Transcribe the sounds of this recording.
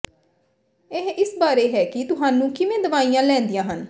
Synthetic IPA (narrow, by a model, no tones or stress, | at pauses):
eɦɪsbaːɾeːɦɛːkɪt̪ʊɦaːnũːkɪʋẽːd̪əʋaːijãːlɛ̃ːnd̪ijãːɦən